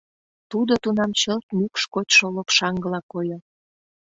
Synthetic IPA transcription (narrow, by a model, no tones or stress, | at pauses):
t̪ud̪ot̪unɑmt͡ɕəlt̪mʲykʃkot̪ʲʃolopʃɑŋɡə̆lɑkojo